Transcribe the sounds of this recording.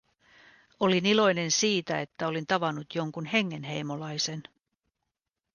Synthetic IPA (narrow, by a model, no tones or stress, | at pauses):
o̞linilo̞jne̞nsiːt̪æe̞t̪ːæo̞lint̪ɑʋɑnut̪jo̞ŋkunhe̞ŋːe̞nɦe̞jmo̞lɑjse̞n